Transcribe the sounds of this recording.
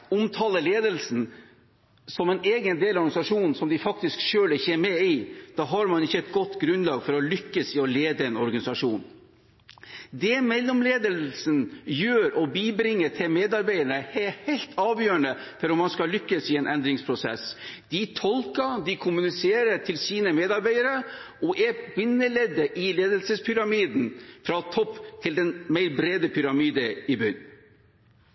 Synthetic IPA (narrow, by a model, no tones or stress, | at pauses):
ʊmt̪ʰɑːləleːd̪əlsn̩ | sɔmɛneːɡənd̪eːlɑɔɾɡɑnɪsɑʂuːnnsɔmd̪ɪfɑk̚t̪ɪskʂøːlɪçːəɛmɛɪd̪̥ɑːɦɑɾmɑnɪçːəɛt̪̚ɡɔt̪ːɡɾʉnlɑːɡfɔɾɔlʏkːəsɪɔleːd̪əɛnɔɾɡɑnɪsɑʂuːn | d̪ɛmɛlːɔmleːd̪əll̩snjøːɾɔbiːbɾɪŋːəʈʰɪlmeːd̪ɑɾbæɪəɳəhɛhæɪlt̪ʰɑːʋjøːəɳəfɔɾɔmːɑnskɑlʏkːəsɪɛnʔɛnd̪ɾɪŋspʰɾʊsɛ̰sd̪̥ɪt̪ʰɔlkəd̪ɪkʰʊmʉnɪseːɾəʈʰɪlsiːnəmeːd̪ɑɾbæɪəɾə | ɔʔɛbɪnːəleːd̪əʔɪleːd̪əlsəspʰʏɾɑmiːd̪n̩fɾɑt̪ʰɔpːt̪ʰɪld̪ɛnmæɪɾbɾeːd̪əpʰʏɾɑmiːd̪əɪbʏn